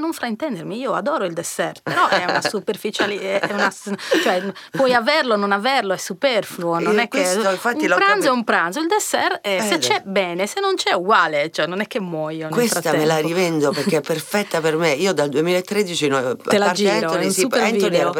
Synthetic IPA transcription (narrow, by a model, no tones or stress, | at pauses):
noɱfɾaint̪ɛnd̪eɾmiiːoa̰d̪ɔːɾoild̪ɛsɛrt̪peɾɔʔɛunasuperfit͡ʃaliɛunat͡ʃoɛ | pwɔjavɛrlononavɛrloɛsːupɛrfluononɛkːeiɱfat̪ːimlpɾanzɛumpɾanzoild̪ɛsɛrɛset͡ʃːɛbɛːnesenːont͡ʃɛuɡwaːlet͡ʃoɛnːonɛkːemːwɔjonkwlesfɾat̪aɛmelaɾivɛnd̪opeɾkːeɛpːerfɛt̪ːapermeiːod̪ald̪uemilaet̪ːɾed̪it͡ʃinoelaɾd͡ʒiɾosiuefo